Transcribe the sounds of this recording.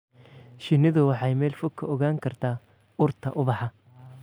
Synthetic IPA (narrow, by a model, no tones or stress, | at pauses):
ʃɪnɪðʊwɑħɑjmɛːlfʊkʰːɐɔɣaːŋkʰɐrt̪ʰaː | ʊrt̪ʰɐ̰ʔʊβɑħɑ